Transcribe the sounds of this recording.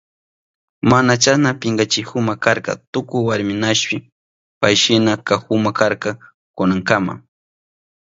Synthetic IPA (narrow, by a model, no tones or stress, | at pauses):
manat͡ʃanapɪŋɡat͡ʃɪkʊmakaɾkɑ̰t̪ʊkʊjwaɾmɪnaʃpɪ | pajʃɪnakaxʊmakaɾka | kʊnaŋkama̰